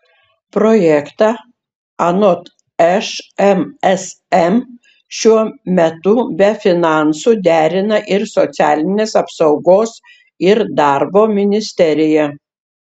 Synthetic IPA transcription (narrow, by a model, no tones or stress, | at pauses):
pɾoːjɛkt̪ɑ | ɐnot̪ | ɛʃɛmɛs | ɛm | ʃʲuɔmʲɛt̪ʊbʲɛfʲɪnɑˑnsud̪ʲæːɾʲɪnɐʔɪɾsɔt̪sʲæːlʲɪnʲeːsɐpsɐʊɡoːs | ɪɾd̪ɑɾboːmʲɪnʲɪsʲt̪ʲɛɾʲɪjɛ